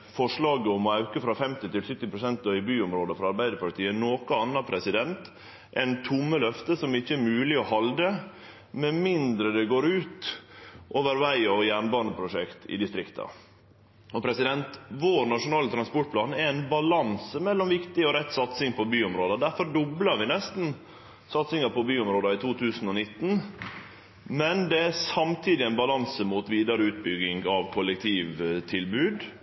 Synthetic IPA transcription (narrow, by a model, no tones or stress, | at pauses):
fɔʂlɑːɡəɔmɔɑʉkəfɾɑfɛmt̪ɪt̪ɪlsʏt̪ːɪpɾʊsɛnt̪ːɔʏbyːʊmɾoːd̪əfɾɑɑɾbæɪd̪əɾpɑt̪ʰiːənoːkʊɑnːɑpʰɾɛsɪd̪ɛnt̪ | ʔɛnt̪ʰʊmːəlœft̪əsɔmɪçːəɛɾmʉːlɪɔhɑld̪ə | mɛmɪnd̪ɾəd̪ɛɡoːɾʉːt̪ | ʔoːʋəɾʋæɪɔjæːɳbɑːɑnd̪əpʰɾʊʂɛkt̪ʰɪ̰d̪ɪst̪ɾɪkt̪ʰɑ̰ | ɔpʰɾɛsɪd̪ɛnt̪ʋoːɾnɑʂʊnɑːlət̪ʰɾɑnspɔʈ̚pʰlɑːnæɾɛnbɑlɑnsəmɛlːɔmʋɪkt̪ɪɔɾɛt̪ːsɑt̪sɪŋpʰɔbyːʊmɾoːd̪əd̪æfɔɾɖʊblɑɾʋɪnɛst̪n̩ | sɑt̪sɪŋɑpɔbyːʊmɾoːd̪ɑɪt̪ʰuːt̪ʰʉːsn̩ɔnɪt̪ːn̩ | mɛnd̪ɛæsɑmt̪ʰiːd̪ɪænbɑlɑnsəmuːt̪ʋiːd̪ɑɾəʉːt̪̚bʏɡːɪŋɑʋkʰɔlːɛk̚t̪ʰiːʋt̪ʰɪlbʉːd̪